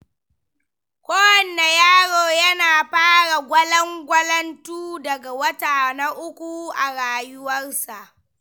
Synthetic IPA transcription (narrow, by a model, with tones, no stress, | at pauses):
kʷʼoː˦wɐ˨nːa˨jaː˦ɽoː˨jɐ˦naː˨ɸaː˦ɽa˨ɡʷɐ˦lɐ˦ŋɡʷɐ˦lɐ˦ntuː˦dɐ˨ɡa˨wɐ˦taː˨na˦ʔʊ˦kʷu˦˨ʔa˨ɽaː˨jʊ˦wɐ˦rsa˨ʔ